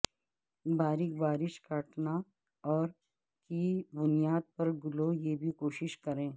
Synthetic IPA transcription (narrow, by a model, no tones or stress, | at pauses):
baːɾɪk̚baːɾɪʃkɐʈna | ɔːɾ | kibʊnijaːd̪̚pɐɾɡʊlojeːbʱikoːʃɪʃkɐɾẽː